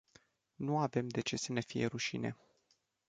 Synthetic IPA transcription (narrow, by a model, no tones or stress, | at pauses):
nuave̞md̪e̞t͡ʃe̞səne̞fije̞ɾuʃine̞̰